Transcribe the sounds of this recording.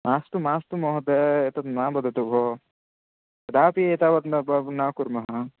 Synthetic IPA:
maːst̪umaːst̪umɔɦɐd̪eet̪ɐt̪maːbɐd̪ʱɐt̪ubʱo | ɐd̪aːpieːt̪ɐʋɐt̪nɐbɐnaːkuɾmɐɦɐ

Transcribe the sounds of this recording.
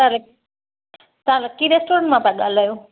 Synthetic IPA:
al | t̪ãlakːiɾesʈoɾə̃ɳʈmãpãɠalajo

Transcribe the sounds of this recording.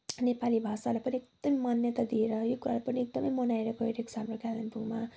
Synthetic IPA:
nepalibʱasalapʌniekd̪ʌmimʌnjʌt̪ad̪ieɾʌjokuɾalapʌniek̚d̪ʌmʌjmʌnaeɾʌkʌeɾʌeksamɾokad̪anpuma

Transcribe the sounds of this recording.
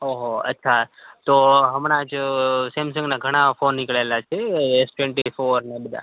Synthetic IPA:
ɦoɦoə̰tːʃʰat̪oɦəmɽ̃ad͡ʒsemsə̃ŋɡnaɡʱəɽ̃afonːikɭalat͡ʃʰeesʈeɳʈifoɾnebəd̪ʱa̰

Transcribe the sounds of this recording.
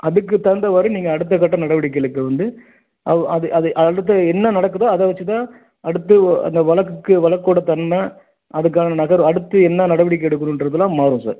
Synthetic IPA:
ɐðɯkːɯt̪ɐnd̪ɐʋɐɾɯniːŋɡɐːɽɯt̪̬ːɐkːɐʈːɐnɐɽɐʋɪɽɪk̬ːɪɛɭɯkːɐʋɐnd̪ɯ | ʔɐɐðɯʔɐðɯʔɐɽɯt̪̬ːɐɛnːɐnɐɽɐkːɯðoːɐðɐʋɐt͡ʃːɯt̪ãː | ɐɽɯt̪ːɯɐ̰nd̪ɐʋɐɭɐkːɯkːɯʋɐɭɐkːoːɽɐt̪ɐnːɐ | ʔɐðɯk̬ːaːnɐnɐɣɐɾɐɽɯt̪ːɯɛnːɐnɐɽɐʋɪɽɪkːɛɽɯk̬ːɐnʊ̃ɪnɖɾɐðɯlãːmaːɾũsa̰ːɾ

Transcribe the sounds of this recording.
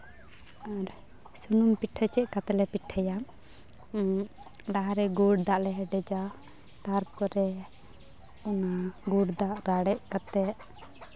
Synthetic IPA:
aɾ | sunumpiʈʰət͡ʃɛʔ̚kat̪ɛlɛpiʈʰəjam | laɦaɾɛɡuɽd̪aʔlɛɦɛɖɛd͡ʒa | t̪aɾpɔɾɛ | ɔnaɡuɽd̪aʔɾaɽɛʔ̚kat̪ɛʔ

